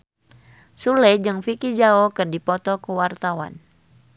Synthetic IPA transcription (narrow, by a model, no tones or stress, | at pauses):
sulɛd͡ʒɨŋfikid͡ʒaɔkɨrdipɔt̪ɔkuwart̪awa̰n